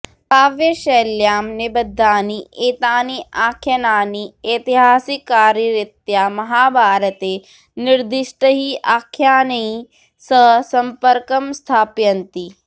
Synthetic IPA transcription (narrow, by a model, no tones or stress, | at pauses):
paːʋjɐʃeːljaːmnɪbɐd̪ʱːaːniʔeːt̪aːniʔaːkʰːjɐnaːnieːt̪iɦaːsikːaːɾɐɾɪt̪jaːmɐɦaːbʱaːɾət̪eː | nɪɾd̪ɪʃʈəɦiʔaːkʰːjaːnɐi | səɦsɐmpəɾkɐmst̪ʰaːpjɐnt̪i